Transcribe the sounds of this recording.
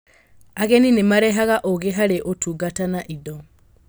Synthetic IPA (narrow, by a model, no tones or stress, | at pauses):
aɣɛninemaɾɛɦaɣaʔoɣeɦaɾeʔotuːɡatanaʔidɔ